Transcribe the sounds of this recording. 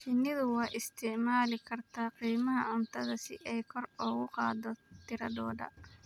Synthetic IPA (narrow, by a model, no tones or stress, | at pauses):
ʃɪnːɪðʊwɑːʔɪst̪ʰɛʕmaːlɪkʰɐrt̪ʰaːqiːmɐɦɐʕʊnt̪ʰɐðɐsɪ̰ʔɛjkʰɔrɔːɣʊqɑ̰ːd̪ɔt̪ʰɪɾɐ̰d̪ɔːɖɐ̰